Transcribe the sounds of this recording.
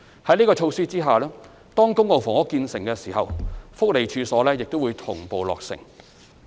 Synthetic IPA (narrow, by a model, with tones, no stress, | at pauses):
hɐ˨˥jniː˥kɔː˧t͡ʃʰo˧wsiː˥t͡siː˥ɦaː˨lɛː˥ | t̪ɔː˥ŋkʊ˥ŋlo˨wfɔː˨˩ŋɔ˨˥kiː˧nsɪ˨˩ŋkɛː˧siː˨˩hɐ̰˨wfʊ˥k̚le˨jt͡ʃʰyː˨˧sɔː˨˥lɛː˥jɪ˨k̚t̪o˥wuː˨˧jt̪ʰʊ˨˩ŋpo˨wlɔ̰ː˨k̚sɪ̰˨˩ŋ